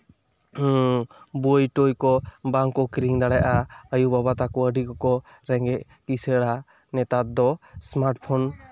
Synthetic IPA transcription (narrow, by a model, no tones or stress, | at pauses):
bojʈojkɔbaŋkːɔkɾiŋd̪aɽɛjʔaəjubabat̪akɔəɖikɔkɔ | ɾɛŋɡɛʔ | kisɛɽa | nɛt̪ad̪ɔsmaɾʈpʰɔn